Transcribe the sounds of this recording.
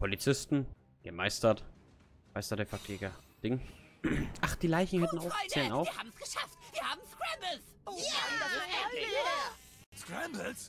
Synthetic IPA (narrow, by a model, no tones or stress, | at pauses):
pʰolit͡sɪstn̩ | ɡ̥əmaɪstɐt | maɪstɐtəfɛɐkleːɡɐd̥ɪŋ | ʔaχd̥iːlaɪçn̩hɛtn̩aʊt͡sɛːlnaaʊiɐhaːbm̩sɡ̥əʃaftv̥iːɐhaːbm̩skɹambl̩s | skɹɛmbls